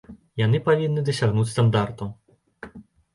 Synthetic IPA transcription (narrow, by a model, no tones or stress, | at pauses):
janɨpavʲinːɨd̪ɐsʲaɣnut͡sʲst̪and̪art̪u